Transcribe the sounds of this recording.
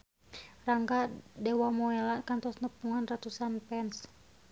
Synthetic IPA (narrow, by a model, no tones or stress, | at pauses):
raŋɡadɛwamɔɛlakant̪ɔsnəpuŋanrat̪usanpɛns